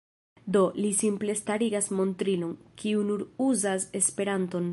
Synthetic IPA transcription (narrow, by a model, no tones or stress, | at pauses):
d̪o̞lisimple̞staɾiɡasmo̞nt̪ɾilo̞nkʰiunuɾuzase̞spe̞ɾanto̞n